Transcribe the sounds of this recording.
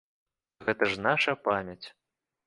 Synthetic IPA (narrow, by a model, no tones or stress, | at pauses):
ɣɛt̪ɐʐnaʂɐpamʲɐt͡sʲ